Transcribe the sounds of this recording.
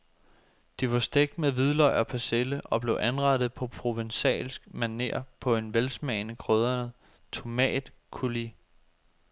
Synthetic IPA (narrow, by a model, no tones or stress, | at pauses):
d̥iʋɑ̈sd̥eɡ̥̚d̥meðˠʋið̞ˠlɒɪ̰ɒpʰæseləʔɒ̽b̥le̝ʊʔænʁɑ̈d̥ð̩ˠpʰɒ̽pʰʁoʋensɛ̰ːlsɡ̥mæne̝̰ːɐ̰pʰɒ̽e̝nʋelsmɛ̰ɪnəkʰʁøð̞ˠɐnə | t͡sʰo̝mɛ̰ːd̥ | kʰuli